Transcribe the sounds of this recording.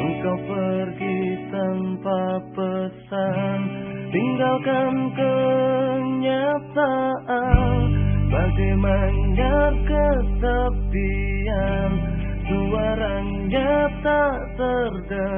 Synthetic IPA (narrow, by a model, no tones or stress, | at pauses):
əŋkawpərɡit̪anpapəsant̪iŋɡalkankə | ɲat̪aʔanbaɡajmaɲd͡ʒakət̪abian | suaɾan | ɲat̪a | t̪ərd̪a